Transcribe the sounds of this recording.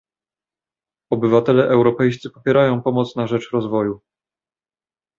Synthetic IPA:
ɔbɘvat̪ɛlɛʔɛwɾɔpɛjst̪sɘpɔ̥pʲjɛɾajɔ̃w̃pɔmɔt̪snaʐɛt͡ʂɾɔzvɔju

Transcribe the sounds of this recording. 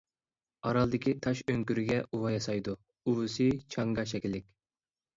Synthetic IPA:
ɑɾɑlˠd̪ɪkʲʰit̪ʰɑʃøŋkʲyɾyɡʲɛʔuwɑjɑsɑjd̪u | uwusɨt͡ʃʰɑŋɡɑʃ̬ɛkʲɪlːɪkʲ

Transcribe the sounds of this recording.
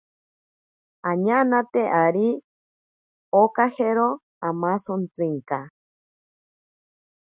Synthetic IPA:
aɲanat̪eʔaɾi | okaheɾo | amasont͡sɨŋka

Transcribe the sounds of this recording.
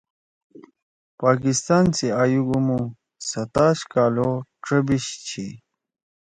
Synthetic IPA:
paːkist̪aːnsiaːjuɡumu | sɐt̪aːɕkaːloʈ͡ʂɐbiɕt͡ɕʰḭ

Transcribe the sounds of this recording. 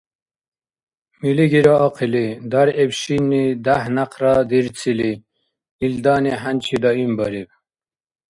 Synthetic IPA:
miliɡiɾoːqʰilid̪aɾebɕinːid̪ahnaqɾɑd̪iɾt͡sʰili | ild̪ɑːniɦant͡ɕʰid̪ʌimbʌɾib

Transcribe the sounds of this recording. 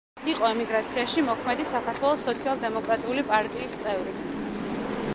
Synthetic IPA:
iqʼɔɛmiɡɾat̪sʰiaʃimɔkʰmɛd̪isakʰaɾt̪ʰwɛlˠɔsːɔt̪sʰialˠd̪ɛmɔkʼɾat̪ʼiulipʼaɾt̪ʼiːst̪sʼɛvɾi

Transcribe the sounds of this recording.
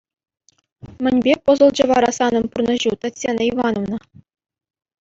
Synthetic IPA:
mʲɘ̆nʲbʲepɤ̆zɤ̆lˠd͡ʑɤ̆ʋɑɾɑsɑnɤ̆mpurnɤ̆ʑut̪ɑtʲsʲenɑiʋɑnovnɤ̆

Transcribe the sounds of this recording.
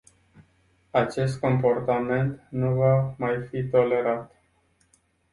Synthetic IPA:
at͡ʃe̞st̪ko̞mpo̞rt̪ame̞nt̪nuvamajfit̪o̞le̞ɾat̪

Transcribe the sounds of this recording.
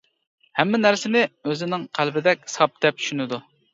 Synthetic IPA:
hɛmːɪnæɾsɪnɪøzɪnɪŋqʰælbɪd̪ɛk̚ʲsɑp̚d̪ɛp̚t͡ʃʰy̥ʃynɪd̪u

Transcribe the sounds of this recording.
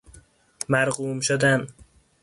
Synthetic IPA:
mæɾɣuːmʃod̪æn

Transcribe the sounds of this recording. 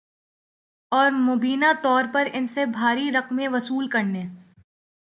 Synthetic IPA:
ɔːɾmʊbiːnat̪ɔːɾpɐɾɪnsebʱaːɾiɾɐqmẽʋɐsuːlkɐɾneː

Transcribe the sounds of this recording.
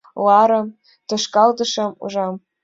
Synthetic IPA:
lɑɾɤ̆m | t̪ɤ̆ʃkɑld̪ɤ̆ʃɤ̆mṵʒɑm

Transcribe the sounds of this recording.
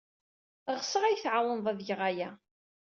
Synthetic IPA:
ʁsəʁæjθʕawənðˤæðjəʁæjæ

